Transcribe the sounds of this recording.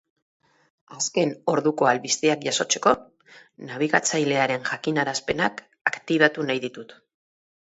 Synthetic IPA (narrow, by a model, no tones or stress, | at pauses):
aske̞no̞ɾðuko̞alβist̪eakʝaso̞t͡se̞ko̞ | naβ̞iɣat͡sajle̞aɾe̞nʝakinaɾaspe̞nak | akt̪iβ̞at̪unajðit̪ut̪